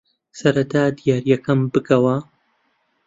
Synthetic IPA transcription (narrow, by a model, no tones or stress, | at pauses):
sɐɾɐt̪ʰaːd̪ijaːɾjɐkʰɐmbɨkɐwɐ